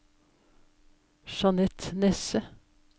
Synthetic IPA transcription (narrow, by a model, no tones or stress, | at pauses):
ʃɑnɛt̪nɛsə